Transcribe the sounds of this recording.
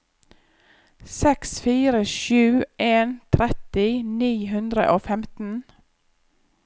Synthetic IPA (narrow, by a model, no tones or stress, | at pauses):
sɛksfiːɾəʃʉːʔeːnt̪ʰɾɛt̪ɪniːɦʉnd̪ɾə̰ʔoːfɛmt̪n̩